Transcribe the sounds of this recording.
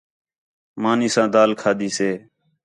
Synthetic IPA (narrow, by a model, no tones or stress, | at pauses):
maːniːsãːd̪aːlkʰaːd̪iːseː